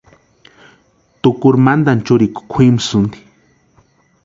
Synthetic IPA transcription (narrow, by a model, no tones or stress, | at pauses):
t̪ʊkʊɾmand̪ant͡ʃʊɾikʊ̥kʰimsʊnd̪i̥